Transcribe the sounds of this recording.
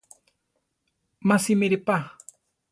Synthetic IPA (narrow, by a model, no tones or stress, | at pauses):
masimɪɾɪpa